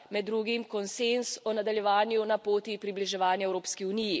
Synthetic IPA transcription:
mɛd̪ːɾuːɡimkɔnsensɔnad̪aljɛʋaːnjunapoːt̪ipɾibliʒɛʋaːnjaɛwɾoːpskiuniji

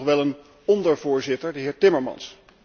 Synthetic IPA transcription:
χʋɛlˠən | ɔndəɹvʊːɹzɪtəɹdəɦɪːɹtɪməɹmɑ̰ns

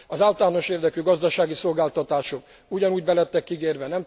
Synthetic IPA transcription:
ɒzaːlt̪aːno̞ʃeːrd̪ɛkyɡɒzd̪ɒʃaːɡiso̞lɡaːlt̪ɒt̪aːʃo̞k | uɟɒnuːɟbɛlɛt̪ːɛkːiɡeːrvɛnɛm

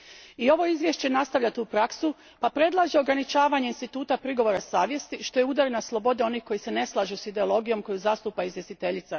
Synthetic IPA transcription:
io̞ʋo̞izʋje̞ʃt͡ɕe̞nast̪aʋʎat̪uupɾaksu | papɾe̞d̪lˠaʒeoɡɾanit͡ʃaːʋaːɲe̞inst̪it̪uːt̪apɾiɡo̞ʋoɾasaːʋje̞st̪iʃt̪o̞jeud̪aɾenaslˠo̞bo̞d̪eo̞niːhko̞jise̞ne̞slˠaːʒusid̪e̞o̞lˠo̞ɡijo̞mko̞juzast̪uːpaizʋjest̪it̪e̞ʎit̪sa

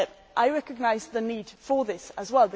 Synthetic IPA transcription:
ʔaɪɹɛkəɡ̚naɪzðəniːd̥fəðɪsəzwɛlˠbə

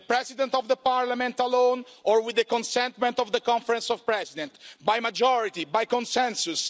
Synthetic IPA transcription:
pɾɛzid̪ɛ̃nt̪ɔvd̪əpaɾlamɛ̃nt̪alõnɔɾwid̪ːəkɔ̃nsɛ̃nt̪mɛ̃nt̪ɔvd̪əkɔ̃ɱfəɾɛ̃nsɔvpɹɛzid̪ɛ̃nt̪bajmad͡ʒɔɹit̪ibajkɔ̃nsɛ̃nsus

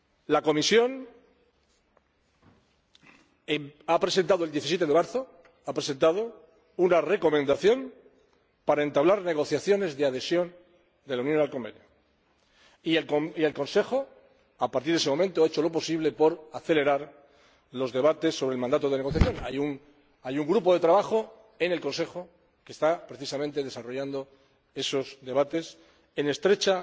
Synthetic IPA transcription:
lako̞misjo̞n | eapɾe̞se̞nt̪aðoeld̪je̞θisjet̪e̞ðemaɾθo̞ | apɾe̞sent̪aðo | unare̞ko̞mẽnd̪aθjo̞m | paɾae̞nt̪aβlaɾneɣ̞o̞θjaθjo̞ne̞zðeaðe̞sjo̞n | d̪e̞launjõ̞nalko̞mbe̞̰njo | ieoielko̞nse̞xo | apaɾt̪iɾðesemõ̞mẽnt̪oaet͡ʃo̞lo̞po̞siβle̞po̞ɾaθe̞le̞ɾaɾ | lo̞zðe̞β̞at̪e̞sːoβɾelmãnd̪at̪oðeneɣo̞θjaθjo̞na̰juŋ | ajuŋɡɾupoðe̞t̪ɾaβaxo̞ | e̞ne̞lko̞nse̞xo̞ | ke̞st̪apɾe̞θisamẽnt̪e̞ðe̞saro̞ʝand̪o̞ | e̞so̞zðe̞β̞at̪e̞s | e̞ne̞st̪ɾe̞t͡ʃa

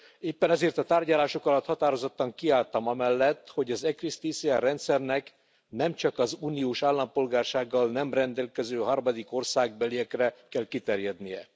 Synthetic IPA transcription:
eːpːɛnɛzeːrt̪ɒt̪aːrɟɒlaːʃo̞kɒlɒt̪hɒt̪aːɾo̞zot̪ːɒŋkiaːlt̪ɒmɒmɛlːɛt̪ːho̞ɟɒzɛkrist̪iːsiarɛnt̪sɛrnɛk | nɛmt͡ʃɒkɒzuːnioːʃaːlːɒmpo̞lɡaːrʃaːɡːɒlnɛmrɛnd̪ɛlkɛzøːɦɒrmɒd̪iko̞rsaːɡ̚bɛlijɛkrɛkɛlkit̪ɛrjɛd̪nijɛ̰

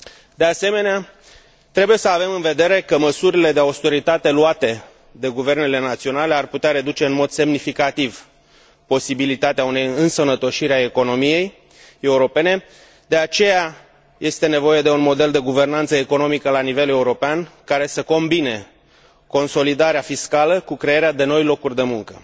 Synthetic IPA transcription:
d̪e̞ase̞me̞nea | t̪ɾe̞buje̞səave̞mɨnve̞d̪e̞ɾe̞kəməsuɾile̞d̪eawst̪e̞ɾit̪at̪e̞luat̪e̞ | d̪e̞ɡuve̞rne̞le̞nat̪sio̞nale̞arput̪eaɾe̞d̪ut͡ʃe̞ɨnmo̞d̪se̞mnifikat̪iv | po̞sibilit̪at̪eaune̞jɨnsənət̪o̞ʃiɾeae̞ko̞no̞mije̞j | e̞uɾo̞pe̞ne̞ | d̪e̞at͡ʃe̞ja | jʔe̞st̪e̞ne̞vo̞je̞d̪e̞unmo̞d̪e̞ld̪e̞ɡuve̞rnant̪səeko̞no̞mikəlanive̞le̞uɾo̞peankaɾe̞səko̞mbine̞ | ko̞nso̞lid̪aɾeafiskaləkukɾe̞jeɾead̪e̞no̞jlo̞kurʲd̪e̞muŋkə̰

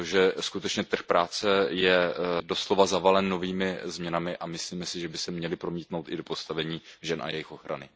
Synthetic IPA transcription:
ʒɛskut̪ɛt͡ʃɲɛt̪r̩xpɾaːt͡sɛjɛdo̞slo̞vazavalɛnːo̞viːmɪzmɲɛnamɪʔamɪsliːmɛsɪʒɛbɪsɛmɲɛlɪpɾo̞miːt̪no̞wt̪ɪdo̞po̞st̪avɛɲiːʒɛnʔa̰jɛjɪxʔo̞xɾa̰nɪ

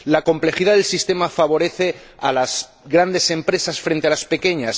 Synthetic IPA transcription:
lako̞mple̞xiðaðelsist̪e̞mafaβo̞ɾe̞θe̞ | a̰laz | ɣɾand̪e̞se̞mpɾe̞sasfɾe̞nt̪e̞alaspe̞ke̞ɲas

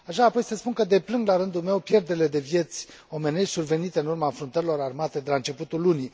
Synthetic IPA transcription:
aʃaːpo̞jsəspunkəd̪e̞plɨŋɡ̪laɾɨnd̪ulme̞wpje̞rd̪eɾile̞d̪e̞vje̞t̪sʲ | o̞me̞neʃsurve̞nit̪e̞ɨnurmanfɾunt̪əɾilo̞ɾarmat̪e̞d̪e̞laɨnt͡ʃe̞put̪ulːuni

